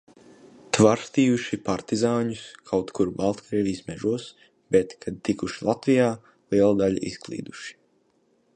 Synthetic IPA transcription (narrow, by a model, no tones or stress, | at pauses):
t̪vaɾst̪iːuʃipaɾt̪izaːɲuskʰawt̪kuɾbalˠt̪kɾiːvʲijsmɛʒuɔs | bɛt̪kʰad̪̚t̪ikuʃilˠat̪vijaː | lˠiɛlˠad̪aʎ̰ʔḭsklˠḭːd̪uʃi̥